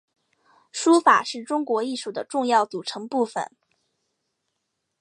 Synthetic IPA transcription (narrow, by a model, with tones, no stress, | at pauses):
ʂu˥fa̰˨˩ʂɻ̩˥˩ʈ͡ʂʊ˥ŋkwɔ˧˥i˥˧ʂu˥˩d̪ə˦ʈ͡ʂʊ˥˧ŋjɑ˥˩ʊt͡su˨˩ʈ͡ʂʰɤ˧˥ŋpu˥˩fə̰˨˩˦n